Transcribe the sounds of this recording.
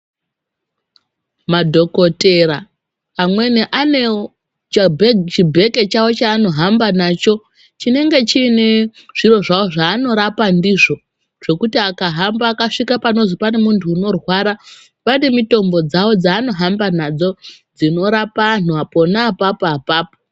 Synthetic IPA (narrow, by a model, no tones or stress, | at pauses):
madʱo̞ko̞te̞ɾaː | mwe̞neʔane̞ | t͡ʃabʱet͡ʃibʱe̞ke̞t͡ʃawo̞t͡ʃaːno̞ɦambanaːt͡ʃo̞ | t͡ʃine̞ŋɡe̞t͡ʃiːneʐ̥iro̞ʐaoʐaːno̞ɾapandiʐo̞ | ʐ̥o̞kutiakaɦambaːkaʂikapano̞zipane̞muntʰuːno̞rwaɾa | panemito̞mbo̞d͡zawo̞d͡zaːno̞ɦambanad͡zo̞d͡zino̞ɾapan̤uapo̞naːpapaapaːpo